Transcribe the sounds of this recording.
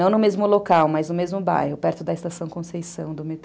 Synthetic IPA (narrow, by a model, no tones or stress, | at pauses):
ɐ̃w̃nʊmezmʊlokawmajznʊmezmʊba̰jhʊpɛɾt̪ʊd̪ɐɪst̪asɐ̃w̃kõsejsɐ̃w̃d̪ʊmet̪